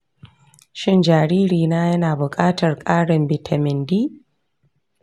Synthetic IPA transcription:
ʃɪ˦nd͡ʒaː˨ɽiː˦ɾiː˨naː˦jɐ˦naː˨bʊ˨kʼaː˦tɐ˨rkʼaː˦ɽɐ˨mbi˨tʰa˨mɪ˨ndiː˦

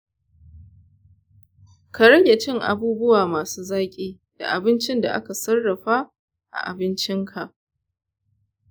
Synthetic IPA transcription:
ka˨ɽɐ˦ɡʲe˨t͡ʃɪ˦ŋʔa̰˨buː˦bʊ˦waː˨maː˨suː˦zaː˦kʲʼiː˦ | d̥a̰˨ʔa˨bɪ˦nt͡ʃɪ˦nda̰˨ʔa̰˦ka˨sɐ˦rːɐ˨ɸa˦ | ʔa̰˨ʔa̰˨bɪ˦nt͡ʃɪ˦ŋkʰa˨ʔ

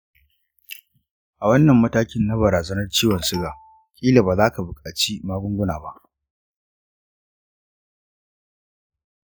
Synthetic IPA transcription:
ʔa˨wɐ˦nːɐ˨mːɐ˦taː˦kʲɪ˦nːa˦bɐ˨ɾaː˨zɐ˦nɐ˦rt͡ʃiː˦wɐ˨nsɪ˦ɡaː˨ | kʲʼiː˦la˨baː˨zaː˦ka˨bʊ˨kʼaː˨t͡ʃi˦maː˦ɡʷʊ˦ŋɡʷʊ˦naː˨ba˦ʔ

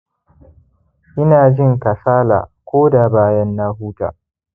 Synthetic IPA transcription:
ʔɪ˦naː˨d͡ʒɪ˦ŋka˨saː˦la̰ː˨kʷoː˦da˨baː˦jɐ˦nːaː˦huː˦ta̰ː˨

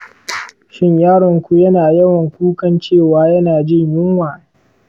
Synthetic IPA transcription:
ʃɪ˦ɲjaː˦ɽɪ˨ŋkʷu˦jɐ˦naː˨jɐ˦wɐ˨ŋkʷuː˦kɐ˦nt͡ʃeː˦˨waː˦jɐ˦naː˨d͡ʒɪ˦˨ɲjɪ˦ŋwaː˨

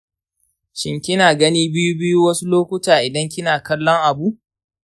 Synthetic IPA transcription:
ʃɪ˦ŋkʲɪ˦naː˨ɡɐ˦niː˦bɪ˦ju˦bɪ˦ju˦wɐ˦su˦loː˦kʷʊ˦taː˨ʔɪ˨dɐ˦ŋkʲɪ˦naː˨kɐ˦lːɔ˦ŋʔa˨bu˦ʔ

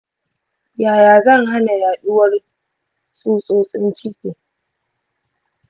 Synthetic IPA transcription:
jaː˨jaː˨zɐ˦˨ŋɦa˦na˨jaː˨ɗʊ˦wɐ˦r | sʼuː˦sʼoː˦sʼɪ̰˦nt͡ʃɪ˦kʲeː˨

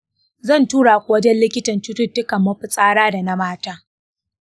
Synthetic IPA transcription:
zɐ˦˨ntuː˦ɽa˨kʷʼoː˦d͡ʒɛ˦nlɪ˦kʲɪ˦tɐ˨nt͡ʃʊ˦tʊ˦dʊ˦kɐ˨mːɐ˦ɸɪ˨sʼaː˦ɽaː˦da˨na˦maː˦taː˦

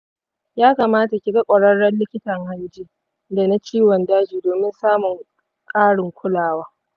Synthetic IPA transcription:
jaː˦kaː˨maː˦ta˨kʲɪ˨ɡɐ˦kʷʼɐ˨ɽɐ˦ɽːɐ˦nlɪ˦kʲɪ˦tɐ˨ŋha˦jd͡ʒiː˦ | da˨na˦t͡ʃiː˦wɔ˨ndaː˦d͡ʒiː˨doː˨mɪ˦nsaː˦mʊ˨ŋ | kʼaː˦ɽɪ˨ŋkʷʊ˦laː˨waː˦

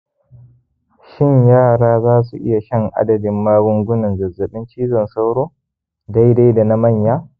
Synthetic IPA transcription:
ʃɪ˦˨ɲjaː˦˨ɽaː˦zaː˦s̬u˨ʔɪ̰˦ja˨ʃɛ˦ŋʔa̰˦dɐ˨dɪ˨mːaː˦ɽʊ˦ŋɡʷʊ˦nɐ˨nzɐ˨zːɐ˨ɓɪ˦nt͡ʃiː˦zɐ˨nsa˦wɽoː˦ | da˦jda˦jda˨na˦mɐ˦˨ɲjaː˦

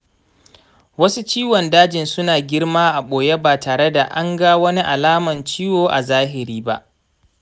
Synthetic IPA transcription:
wɐ˦su˦t͡ʃiː˦wɔ˨ndaː˦d͡ʒɪ˨nsʊ˦naː˨ɡʲɪ˦ɽmaː˦ʔa˨ɓoː˨je˦baː˨taː˨ɽe˦da˨ʔa˦ŋɡa˦wɐ˦ni˦ʔa˨laː˦mɐ˨nt͡ʃiː˦woː˨ʔa̰˨zaː˦ɦɪ˨ɾiː˦ba˦ʔ

